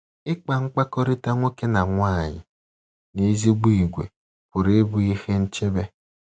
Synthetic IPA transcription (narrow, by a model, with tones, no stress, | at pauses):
ɪ˦k͡pa˨ŋ͡m̩˦k͡pa˦kɔ˦ɾɪ˦ta˦ŋʷo˦ke˦na˨ŋʷa˦˨ɲɪ̰˨ | ni˦zi˦ɡ͡bu˦i˨ɡʷḛ˨ | pʊ˨ɾe˦bu˦i˦he˦n̩˦t͡ʃe˦be˦